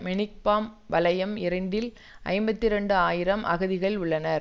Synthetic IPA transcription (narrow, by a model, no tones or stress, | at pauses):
mɛɳɪk̚paːmʋɐlɐjɐmɪɾɐɳɖɪl | ʔɐ̰ɪmbɐt̪ːɪɾɛɳɖɯaːjɪɾɐmʔɐ̰ɣɯðɪɣɐɭʊɭːɐnɐɾ